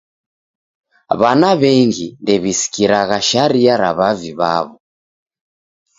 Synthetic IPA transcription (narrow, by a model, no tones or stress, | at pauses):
βanaβɛŋɡindɛβisi̥kiɾaɣaʃaɾiaɾaβaviβa̰βɔ